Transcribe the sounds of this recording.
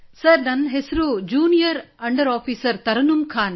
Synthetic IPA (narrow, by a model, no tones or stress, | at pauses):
sɐɾnɐnɦesɾud͡ʒuːnijɐɾɐɳɖɐɾaːfiːsɐɾt̪ɐɾɐnumkʰaːn